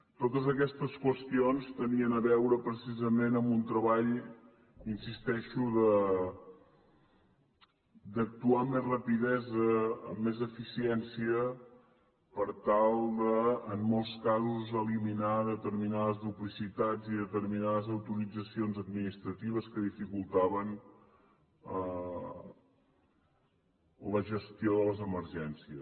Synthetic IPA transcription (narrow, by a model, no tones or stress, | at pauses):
t̪ot̪əzəkɛst̪əskwəst̪ionst̪əniənəβɛwɾəpɾəsizəmenəmbunt̪ɾəβaʎ | insist̪ɛʃuðə | d̪ək̚t̪uamːezrəpiðɛzə̰ːmːezəfisiɛnsiə | pəɾt̪alˠd̪əːmːɔlˠskazuzəliminaðət̪əɾminaðəzðuplisit̪ad͡ziðət̪əɾminaðəzəwt̪uɾid͡zəsionzəd̪minist̪ɾət̪iβ̞əskəðifikulˠt̪aβən | ə | ləʒəst̪ioðələzəməɾʒɛnsiəs